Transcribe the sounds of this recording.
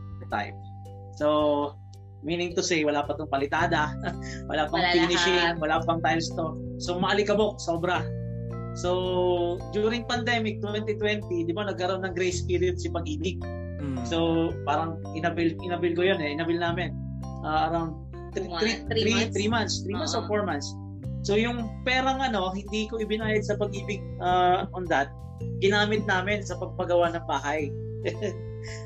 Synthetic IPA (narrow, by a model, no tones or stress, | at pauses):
t̪a̰jp̚ | so | miːnɪ̃ŋt̪ʊsejwɐlaːpɐt̪oŋpɐlɪt̪aːd̪ɐwɐ̰laːpɐŋinɪʃɪŋwɐlapɐŋt̪ajlst̪osomɐʔɐlɪkɐbo̞ʔ̚so̞ːbɾɐ | so̞ | d͡ʒ̪juːɾɪŋpɐnd̪ɛmɪk̚t̪wɛnt̪it̪wɛnt̪id̪ɪbanɐɡ̚kɐɾonɐŋɡɾejspiɾɪʊd̪sɪpɐɡ̚ʔiːd̪ɪɡ̚ | so̞paːɾɐŋ | ʔɪnɐbɪlʔɪnɐbɪlkojonɛʔɪnɐbɪlnaːmɪn | ʔaːʔɐɾawnd̪̚ | ɾiɾit̪ɾiːmant̪st̪ɾiːmmansɛfoɹmɐnsː | ojʊŋpɛːɾɐŋʔɐno̞ɦɪnd̪ikoʔɪbɪnaːjɐd̪̚sɐpɐɡ̚ʔiːbɪɡ̚ʔaɐond̪ɐt̪̚ | ɡɪnaːmɪt̪̚naːmɪnsɐpɐɡ̚pɐɡɐwanɐŋbaːɦɐj